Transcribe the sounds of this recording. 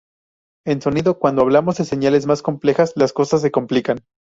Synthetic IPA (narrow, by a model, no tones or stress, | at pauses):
e̞nso̞niðo̞kwand̪oaβ̞lamo̞zðe̞se̞ɲale̞zmasko̞mple̞xaslasko̞sas̬ːe̞ko̞mplikan